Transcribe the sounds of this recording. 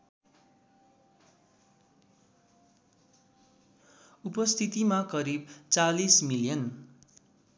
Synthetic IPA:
upʌst̪ʰit̪imakʌɾibt͡salismilijʌn

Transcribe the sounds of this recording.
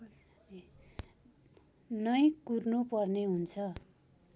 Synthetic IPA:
nʌjkurnupʌrneɦunt͡sʰʌ

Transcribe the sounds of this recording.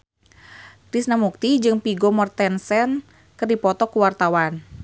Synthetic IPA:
kɾisnamuk̚t̪id͡ʒɨŋpiɡɔmɔrt̪ɛnsɛn | kɨrdipɔt̪ɔkuwart̪awan

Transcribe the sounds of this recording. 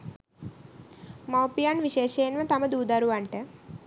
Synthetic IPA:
mawpijanʋiʃeːʃeːnʋət̪aməd̪uːd̪aɾuʋaɳʈə

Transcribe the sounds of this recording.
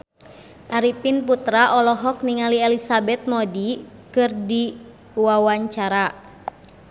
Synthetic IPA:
ʔaɾipinput̪ɾaʔɔlɔɦɔk̚niŋaliɛlisabɛt̪̚mɔdikɨrdi | uwawaɲt͡ʃaɾa

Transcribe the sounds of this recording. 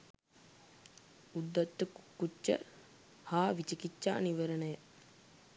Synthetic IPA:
ud̪ːɐt̪ːəkukːut͡ʃːə̰ | haːʋit͡ʃikit͡ʃːa̰ːniʋəɾənəjə

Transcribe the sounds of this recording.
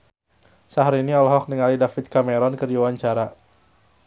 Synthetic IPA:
saɦaɾiniɔlɦɔk̚nəŋalidafit̪̚kameɾɔnkɨrdiwaɲt͡ʃaɾa

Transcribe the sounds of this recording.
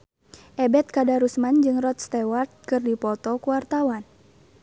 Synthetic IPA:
ʔɛbɛt̪̚kadaɾusmand͡ʒɨŋrɔt̪̚st̪ɛwart̪̚kɨrdipɔt̪ɔkuwart̪awan

